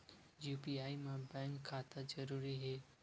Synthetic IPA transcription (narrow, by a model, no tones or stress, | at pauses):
juːpiaːimãbɛ̃ːŋkʰːaːt̪ad͡ʒɐɾuːɾiɦeː